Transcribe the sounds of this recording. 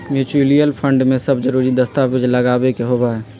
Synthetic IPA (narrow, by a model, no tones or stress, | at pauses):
mjuːt͡ʃɾulijəlpʰə̃ɳɖmẽsəbd͡ʒəɾuːɾid̪əst̪abɪd͡ʒləɡaːbekeɦobaɦɛː